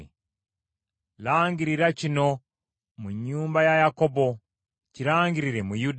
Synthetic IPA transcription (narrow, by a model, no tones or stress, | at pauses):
laːŋɡiɾiɾacino̞ | muɲːuːmbajajako̞bo̞ | ciɾaːŋɡiɾiɾe̞mujud